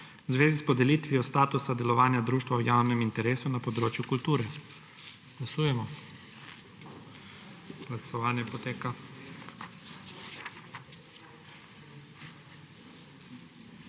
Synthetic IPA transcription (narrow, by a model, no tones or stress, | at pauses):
wzʋeːzispɔd̪ɛlit̪ʋiɔst̪aːt̪usad̪ɛlɔʋaːnjad̪ɾuːʃt̪ʋawjawnɛmint̪ɛɾeːsunapɔd̪ɾoːt͡ʃjukult̪uːɾɛ | ɡ̥lasuːjɛmɔ | ɡ̥lasɔʋaːnjɛpɔt̪eːka